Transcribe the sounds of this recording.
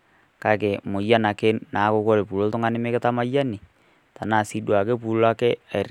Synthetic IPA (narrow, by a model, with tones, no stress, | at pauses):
ka˦ke˨mo˨ja˦na˨ke˦na˨˦ko˦ko˦ɾe˨pu˨lo˦to˦ŋa˦nɪ˦me˦ke˦ta˦ma˦ja˦ni˨ | ta˨na˨si˦dwa˨ke˦p̬u˨lo˦a˦ke˦a˨r